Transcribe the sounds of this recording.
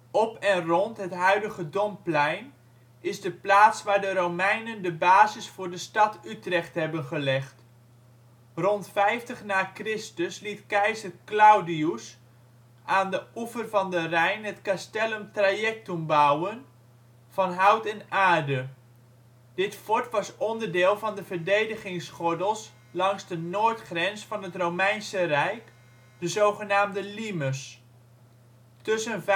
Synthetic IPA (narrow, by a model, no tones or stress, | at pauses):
ɔpɛnrɔntɦətɦœɥdəɣədɔmplɛjn | ɪzdəplaːtsʋaːɹdəɾomɛjnəndəbaːzɪsfʊːɹdəstɑtʰytrɛχtɦɛbənχəlɛχt | rɔntfɛjftəχnaːkrɪstəslitkɛjzərklawdius | ʔaːndəuvərvɑndərɛjnɦətkastɛləmtrajɛk̚tumbawən | v̥ɑnɦawtɛnaːɹdə | dɪtfɔɹtʋɑsɔndərdɪːlˠvɑndəvərdejdəχɪŋsχɔdəlˠs | lɑŋsdənoːɹtχrɛnsfɑnɦətromɛjnsərɛjk | d̥əzowχənaːmdəliməs | tɵsənv